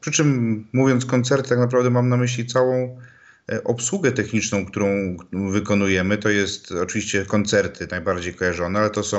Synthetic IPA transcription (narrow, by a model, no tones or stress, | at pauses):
pʂɘt͡ʂɘmːuvʲjɔnt̪skɔnt̪sɛɾt̪t̪aknap̬ɾavd̪ɛmamnamɘɕlʲit̪sawɔ̃w̃ | ʔɔpswuɡɛt̪ɛxɲit͡ʂnɔ̃w̃kt̪uɾɔ̃w̃vɘkɔnujɛmɘt̪ɔjɛst̪ɔt͡ʂɨvʲiɕt͡ɕɛkɔnt̪sɛɾt̪ʰɘnajbaɾd͡ʑejkɔjaʐɔnɛalɛt̪ɔsɔ̃w̃